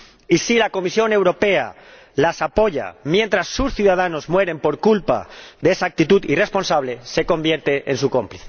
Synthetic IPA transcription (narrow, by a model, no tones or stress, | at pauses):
isilako̞misjo̞ne̞wɾo̞pe̞a̰ | lasapo̞ʝa̰mje̞nt̪ɾasːusθjuðaðano̞zmwe̞ɾe̞mpo̞ɾkulpa̰ðeesaːk̚t̪it̪uðire̞spo̞nsaβ̞le̞se̞ko̞mbje̞ɾt̪e̞ʔensuko̞mpliθe